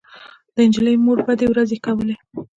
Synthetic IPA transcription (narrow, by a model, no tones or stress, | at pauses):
d̪̥əɪnd͡ʒələjmoɾbad̪ewɾazekawəle